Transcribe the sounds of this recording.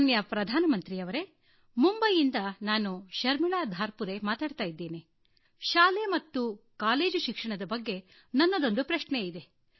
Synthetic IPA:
njɐpɾɐd̪ʱaːnɐmɐnt̪ɾijɐʋɐɾe̞ | mumbɐjind̪ɐnaːnuʃɐɾmiɭaːd̪ʱaːɾpuɾe̞maːt̪aːɖt̪aːjid̪ːeːni | ʃaːlemɐt̪ːukaːle̞ːd͡ʒuʃikʂɐɳɐd̪ɐbɐɡːe̞ | nɐnːɐd̪o̞nd̪upɾɐʃneid̪e̞

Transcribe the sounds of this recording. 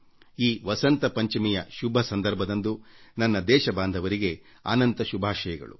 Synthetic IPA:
iːʋɐsɐnt̪ɐpɐɲt͡ʃimijɐ̰ʃubʱɐsɐnd̪ɐɾbʱɐd̪ɐnd̪unɐnːɐd̪ɛːʃɐbaːnd̪ʱɐʋɐɾiɡe̞ | a̰ːnɐnt̪ɐʃubʱaːʃɐjɐɡɐ̰ɭṵ

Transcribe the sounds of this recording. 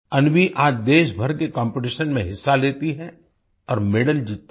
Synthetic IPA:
ɐnʋiʔaːd͡ʒd̪eːʃbʱɐɾkekɔ̃ːmpɪʈ̬ɪʃənmẽɦɪsːaleːt̪iɦɛ | ɔːɾmeɖəld͡ʒiːt̪ː

